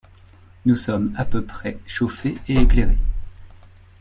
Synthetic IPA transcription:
nusɔmapøpχɛʃofeeekleʁe

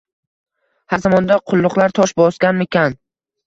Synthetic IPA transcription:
hazamɒnd̪aqʰʊlˠːʊqlˠaɾt̪ʰɒʃbɒskʲanmɪkʲan

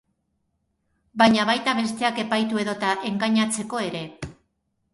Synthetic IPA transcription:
bajɲaβajt̪aβe̞st̪e̞ake̞pajt̪ue̞ðo̞t̪aʔe̞ŋɡaɲat͡se̞ko̞e̞ɾe̞

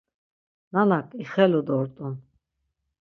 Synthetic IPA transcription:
nanakʼiχɛlud̪ɔɾt̪ʼun

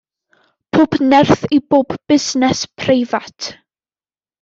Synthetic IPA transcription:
pʰoːbnɛrθiboːbːɪsnɛspʰrejvatʰ

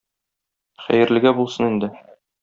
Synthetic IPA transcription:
χæ̰jɘ̆ɾlɘ̆ɡæbulˠsɤnind̪ɘ

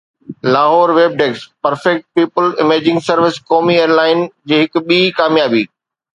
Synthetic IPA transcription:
laːɦɔːɾʋeːb̚ɖeːkspɐɾfɛk̚ʈ̚piːpəlɪmeːd͡ʑɪ̃ŋɡsɐɾʋɪskɔːmieːɾlaːɪnd͡ʑeːɦɪkʊ̆ɓiːkaːmjaːbiː

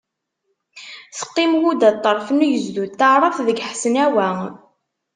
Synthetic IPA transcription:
θə̥qːimwud̪æt̪ˤːəɾˤfənujəzðuθəʕɾˤɑθðəɡħsənæwæ

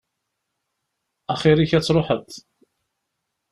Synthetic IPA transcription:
æχiɾiçæt͡sːɾˤoħət̪

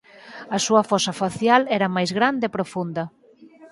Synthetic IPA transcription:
ɐsuɐfɔsɐfaθjalɛɾɐmajzɣɾand̪eepɾofund̪ɐ

